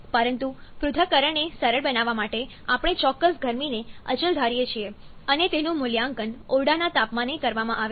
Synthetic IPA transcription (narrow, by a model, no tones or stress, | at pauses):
pəɾənt̪upɾʊd̪ʱəkəɾəɳesəɾəɭbənaʋamaʈe | apəɽ̃et͡ʃɔkːəsɡʱəɾmineə̰t͡ʃəld̪ʱaɾjet͡ʃʰie | ənet̪enũmʊljaŋkənoɭɽanat̪apmanekəɾʋamãʔaʋe